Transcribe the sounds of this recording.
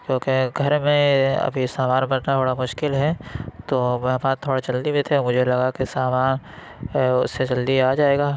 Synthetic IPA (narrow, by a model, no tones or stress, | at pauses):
kjõːkeɡʱɐɾmẽɐ̰bʱisaːmaːnbɐɾnat̪ʰoːɽamʊʃkɪlɦɛt̪oːmɛ̃ɦmaːt̪ʰːoːɽat͡ʃɐld̪ibʱit̪ʰemʊd͡ʒʱelɐɡakisaːmaːn | ʊ̰sːed͡ʒɐld̪iaːd͡ʒaːeːɡaː